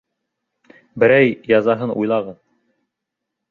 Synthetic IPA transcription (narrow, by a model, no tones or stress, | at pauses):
bɘ̆ɾæjːɑzɑɦɤnṵjlˠɑʁɤð